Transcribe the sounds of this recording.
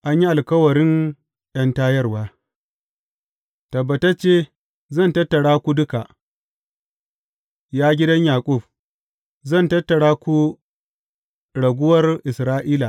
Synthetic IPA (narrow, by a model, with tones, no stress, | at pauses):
ʔa˦ɲ˦ji˦ʔa˨lkɐ˦wɐ˨ɾɪ˦ŋ | j̰ɐ˦ntaː˦jɐ˦rwaː˦ | tɐ˨bːɐ˨tɐ˦t͡ʃeː˦ | zɐ˦˨ntɐ˦tːɐ˨ɽaː˦kʷu˦dʊ˦ka˨ʔ | jaː˦ɡʲɪ˦dɐ˦ɲjaː˨kʷʼʊ˦˨ɸ̚ | zɐ˦˨ntɐ˦tːɐ˨ɽaː˦kʷu˦ | ɽɐ˨ɡʷʊ˦wɐ˦rʔɪ˨sɾaː˦ʔiː˦la˨